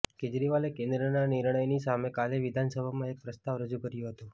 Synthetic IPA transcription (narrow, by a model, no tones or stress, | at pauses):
ked͡ʒɾiʋalekẽnd̪ɾənaniɾɳəjnisamekaleʋid̪ʱansəbʱamãek̚pɾəst̪aʋɾəd͡ʒukəɾjõɦət̪ũ